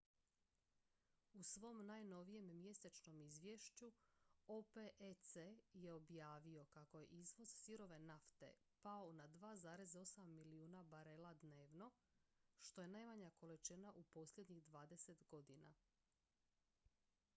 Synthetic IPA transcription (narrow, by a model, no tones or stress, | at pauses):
usʋo̞mnajno̞ʋije̞mːje̞set͡ʃno̞mizʋje̞ʃt͡ɕuopeʔet̪seje̞objaːʋio̞kako̞je̞̰ʔizʋo̞z̥siɾo̞ʋe̞naft̪e̞̰ | paonad̪ʋaːzaːɾe̞zo̞samːiliuːnabaɾelˠad̪neːʋno̞ʃt̪o̞je̞najmaɲako̞let͡ʃenaʔupo̞slʎjed̪ɲiɣd̪ʋaːd̪e̞se̞t̪ɡo̞d̪ina̰